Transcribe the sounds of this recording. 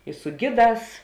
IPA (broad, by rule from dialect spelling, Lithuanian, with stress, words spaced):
ɪ sʊ ˈɡʲɪˌdɑːs